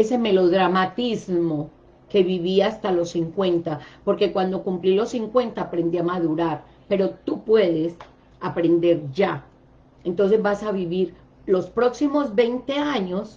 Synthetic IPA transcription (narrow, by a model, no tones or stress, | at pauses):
ese̞me̞lo̞ðɾamat̪izmo̞ | ke̞βiβiast̪alo̞sːiŋkwẽ̞nt̪apo̞ɾke̞kwand̪o̞kumplilo̞sːiŋkwe̞nt̪aːpɾe̞nd̪iamaðuɾaɾ | pe̞ɾo̞t̪upwe̞ðe̞s | apɾe̞nd̪e̞ɾd͡ʒa | e̞nt̪o̞nse̞zbasaβiβiɾ | lo̞spɾo̞ksimo̞zbe̞jnt̪e̞aɲos